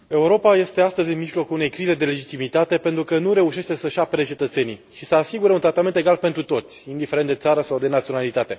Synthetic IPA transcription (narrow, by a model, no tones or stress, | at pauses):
e̞uɾo̞paje̞st̪e̞ast̪əzʲɨnmiʒlo̞kulune̞jkɾize̞d̪e̞le̞d͡ʒit̪imit̪at̪e̞pe̞nt̪ɾukənuɾe̞uʃe̞ʃt̪e̞səʃapeɾet͡ʃe̞t̪ət̪se̞niʃisəasiɡuɾeunt̪ɾat̪ament̪eɡalpe̞nt̪ɾut̪o̞t̪sʲind̪ife̞ɾet̪d̪e̞t̪saɾəsawd̪e̞nat̪sio̞nalit̪at̪e̞